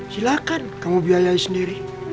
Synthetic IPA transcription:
silakankamobiajaisneɾi

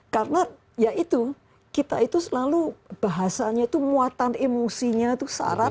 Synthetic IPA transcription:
karəna | jaʔit̪u | kit̪a̰it̪usəlalub̥aɦasaɲait̪umuat̪anemosiɲat̪usa̰ɾa

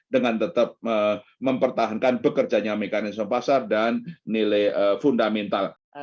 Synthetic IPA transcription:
dəŋant̪ət̪əp̚əməmpərt̪aɦankanbəkərd͡ʒaɲamekanɪsməmpasardanːilajəfundamɛnt̪al

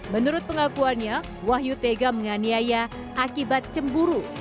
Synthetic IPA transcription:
mənuɾʊt̪̚pəŋakuanɲa | waɦjut̪eɡaməŋaniaja | ʔakibat̪̚t͡ʃəmbuɾu

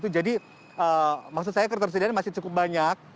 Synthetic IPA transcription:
t̪̬ud͡ʒadi | əmaks̬ʊt̪sajakərt̪ərs̬ədianmasɪt͡ʃukʊp̚baɲak̚

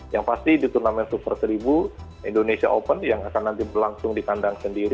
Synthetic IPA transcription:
jaŋpast̪idit̪urnamɛnsupərsəɾibu | indonesia̰ʔopənjaŋakanːant̪ibərlaŋsʊŋdikandaŋsəndiɾi

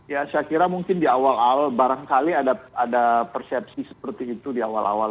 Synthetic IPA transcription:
jasəakiɾamuŋkɪndiawalalbaɾaŋkaliadaadapərsɛp̚sisə̥pərt̪iːt̪udiawa̰lʔa̰wal

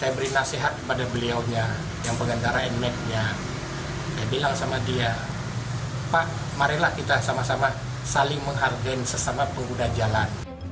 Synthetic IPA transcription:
sajabəɾinaseɦat̪̚kəpadabəliawɲa | jaŋpəŋənd̪aɾaɛnmɛt̪̚ɲa | kajabilaŋsamadia | paʔ | maɾɛhlahkit̪asamasama | salɪŋməŋɦardɛnsəsamapəŋɡudad͡ʒalan

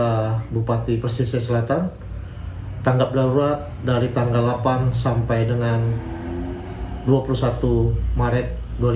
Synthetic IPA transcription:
abupat̪ipərsisiasəlat̪an | t̪aŋɡap̚laɾuat̪̚daɾit̪aŋɡalːapansampajdəŋan | duapulusat̪umaɾɛt̪̚ | dol

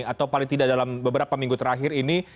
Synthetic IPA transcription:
at̪awpalɪŋt̪idaʔdalambəbəɾapamiŋɡut̪əɾaɦɪrini

